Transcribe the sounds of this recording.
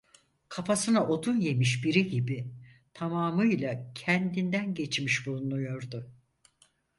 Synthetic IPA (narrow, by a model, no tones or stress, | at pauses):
kʰafasɯnaʔo̞d̪unje̞miʃbiɾiɟibi | t̪ʰamaːmɯjlˠacʰɛnd̪ind̪ænɟet͡ʃmiʃbulnujo̞ɾd̪ʊ